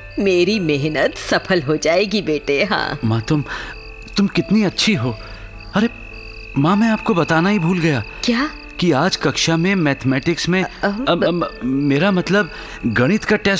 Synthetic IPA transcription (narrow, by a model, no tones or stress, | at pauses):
meːɾimeɦnət̪sɐpʰəlɦod͡ʒaːeːɡibeːʈeɦã̰ːmãːt̪ʊm | t̪ʊmkɪt̪niɐtːʃʰiɦoː | ɐɾe | mãːmɛ̃aːp̚kobɐt̪aːnaɦibʱuːlɡɐjaː | kjaː | kiaːd͡ʒkɐkʃamẽmɛːt̪ʰmɛːʈɪksmẽ | meːɾamɐt̪ləb | ɡɐɽ̃ɪt̪kaʈeːs